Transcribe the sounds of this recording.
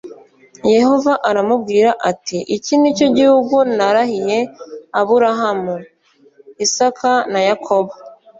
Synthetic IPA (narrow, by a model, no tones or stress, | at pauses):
je̞ho̞vaʔaɾamub̚ɡiːɾaʔatiʔicinico̞ɟihuɡunaɾahije̞aβuɾaɦamu | isakʰanajakʰo̞βo